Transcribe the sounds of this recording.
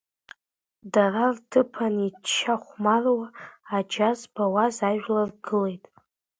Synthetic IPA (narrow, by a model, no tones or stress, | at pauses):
darartʰɨpʰanit͡ʃʰːaχʷmarwaːd͡ʒazbawazaʒᶣlarɡɨle̞jtʼ